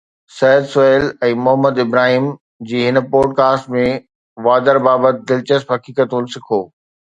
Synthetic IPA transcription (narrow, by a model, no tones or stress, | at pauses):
sɛjəd̪sʊeːlɛ̃ːmʊɦəməd̪ɪbɾaːɦiːm | d͡ʑiːɦɪnpoːɖ̚kaːsʈmẽ | ʋaːd̪əɾbaːbət̪̚d̪ɪlt͡ɕəspɦɐkiːkət̪ũnsɪkʰoː